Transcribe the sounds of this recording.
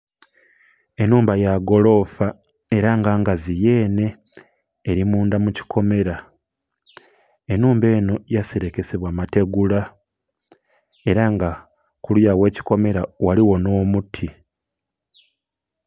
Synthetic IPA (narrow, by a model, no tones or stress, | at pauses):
e̞nuːmbajaɡo̞lo̞fa | e̞ɾaŋɡaŋɡazije̞ːne̞ː | ɾimuːndamuci̥kʰo̞me̞ɾa | e̞nuːmbe̞ːno̞jaseɾe̞ke̞seβwaːmate̞ɡula | e̞ɾaŋɡa | kulujawe̞ːci̥ko̞me̞ɾawaliwo̞no̞ːmutʰi